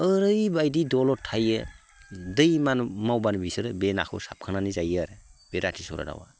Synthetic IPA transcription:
əɾɯjbajdidɔlɔtʰajɯ | dɯjmanmawbanbisɯɾɯbena̰kʰɯ̰sap̚kʰananizajaɾb̥eɾatʰisɔɾa̰da̰wa̰

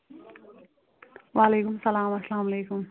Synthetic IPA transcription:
waːleːkʊmsɐlaːmɐslaːmleːkʊm

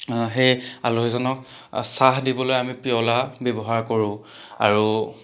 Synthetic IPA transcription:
ɦeja̰loɦɛzɔnɔk | saɦdibɔlojamipiɔlabjɔbɔɦaɹkoɹʊ̃ | a̰ɹu

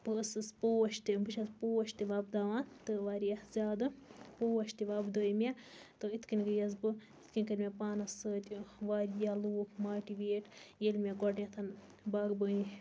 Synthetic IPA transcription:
pɨɐsɨspoːɐʃt̪ibɨʃʰɐspoːɐʃt̪iʋaːbd̪aʋaːnt̪ɨʋaːɾijazʲaːd̪ɨpoːɐʃt̪iʋabd̪oːjmʲat̪ɨit̪ʰkinɡɨjɐzbɨ | it̪ʰkinʲkɐɾʲmʲepaːnɐsəːt̪ʲiʋaːɾjaloːkmaːʈiʋeːʈjelʲmʲaɡɔɖnʲet̪ʰɐn | baːɡbəi

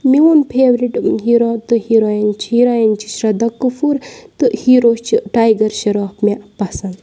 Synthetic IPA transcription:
mionpʰeːʋɾiʈɦiɾot̪ɨhiɾojint͡ʃʰiɾojɐnt͡ʃʰi̥ʃɾɐd̪ɐkːufuɾt̪ɨhiɾoːst͡ʃʰiʈaːjɡɐɾʃɐɾoːpmepɐsɐnd̪

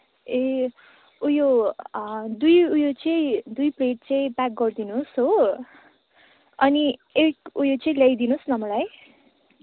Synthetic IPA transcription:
e | ujo | d̪ujujot͡sʌĩd̪ujpreʈ̚t͡sʌĩpak̚ɡʌrd̪inusɦo | ʌniekujot͡sʌĩlajd̪inusnʌmʌlaj

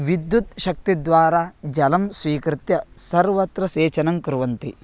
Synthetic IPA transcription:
ʋid̪jut̪ʃɐk̚t̪id̪ʋaːɾaːd͡ʒɐlɐmsʋiːkɾɪt̪jɐsɐɾʋɐt̪ɾɐseːt͡ʃɐnɐmkɾuʋɐnt̪i

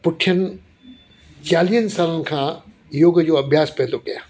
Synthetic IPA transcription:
pʊʈʰijənɪ̆ | t͡ɕaːliːɦənɪ̆saːlənɪ̆kʰãː | joːɡd͡ʑoːɐbʱjaːspɛɦnd̪okɐjaː

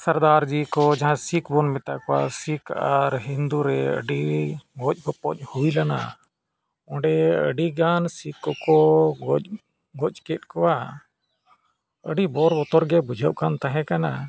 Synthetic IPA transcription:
səɾd̪aɾd͡ʒikɔd͡ʒaɦãsikbɔnmɛt̪akɔwa̰sikaɾɦind̪uɾɛə̰ɖiɡɔc̚ˀkɔpɔc̚ˀhuilana̰ | ɔ̃ɖɛə̰ɖiɡansikːɔkɔɡɔc | ɡɔckɛt̪̚ˀkɔwa | əɖibɔɾbɔt̪ɔɾɡɛbud͡ʒʱəʔkant̪aɦɛ̃kana

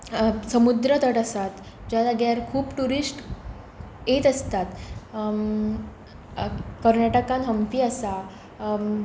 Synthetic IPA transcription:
səmud̪ɾət̪əʈəsat̪ | d͡ʑjad̪aɡjaɾkʰuːpʈuɾisʈ | jet̪əst̪at̪ | kəɾnaʈəkãnɦəmpiːəsa

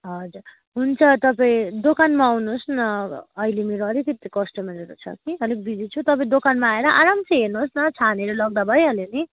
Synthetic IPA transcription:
ɦʌd͡zuɾ | ɦunt͡sʰʌt̪ʌpaĩd̪okanmaawnusnʌːjlemeɾoʌɾikit̪ikʌsʈʌmaɾeɾut͡sʰʌ̰kiɦʌlek̚bid͡zit͡sʰut̪ʌpãĩd̪okanmaːeɾʌʔaɾamt͡sʌjɦenosnʌt͡sʰaneɾʌlʌɡ̚d̪abʱʌjɦʌleni

